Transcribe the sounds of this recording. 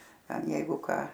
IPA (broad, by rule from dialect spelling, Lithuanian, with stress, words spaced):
ˈtʲɛn ˈjɛɪɡʊ ˈkɑː